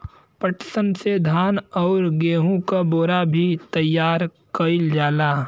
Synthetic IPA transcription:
pəʈsənsed̪ʱaːnɔːɾɡeːɦũkaboːɾabʱit̪ɐjːaːɾ | kɐɪld͡ʒaːlaː

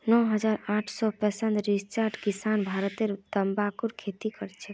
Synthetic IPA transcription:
nɔɦəd͡ʒaɾaʈʰsɔpəsənd̪ɾist͡ʃəɾʈkisanbʱaɾt̪eɾd̪əmbakuɾkʰet̪ikəɾɛt͡ʃʰɛ

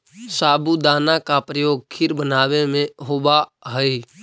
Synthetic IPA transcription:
saːbud̪aːnakapɾəjoːɡ̚kʰɪɾbənaːʋemẽɦoːbaɦəi

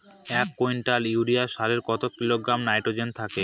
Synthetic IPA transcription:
ɛkːojnʈaliwɾiaʃaleɾkɔt̪okiloɡɾamnajʈod͡ʑent̪ʰake

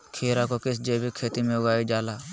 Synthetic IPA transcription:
kʰeːɾakokɪsd͡ʒeːbʱikʰeːt̪imẽʊɡaːid͡ʒaːlaː

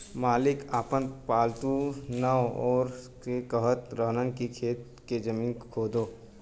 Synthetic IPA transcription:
maːlɪkaːpənpaːlt̪unaɔːɾ | ekəɦət̪ɾəɦnənkikʰeːt̪ | ked͡ʒəmiːnkʰoːd̪oː

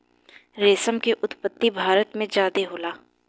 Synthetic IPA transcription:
ɾeːsəmkeʔʊt̪pət̪ːibʱaːɾət̪mẽd͡ʒaːd̪eɦoːlaː

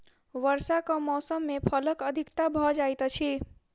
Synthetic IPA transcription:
ʋəɾsakəmɔsəmːepʰələkəd̪ʱikt̪abʱɔd͡ʒajt̪t͡ʃʰi

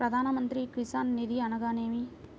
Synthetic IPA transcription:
ɾɐd̪ʱaːnɐmɐnt̪ɾikɾisaːnːid̪iɐnɐɡaːneːʋi

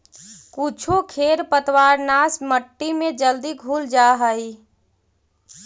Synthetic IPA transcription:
kut͡ʃʰokʰeɾpət̪waɾnasməʈːimẽd͡ʒəld̪iɡʱuld͡ʒaɦəi

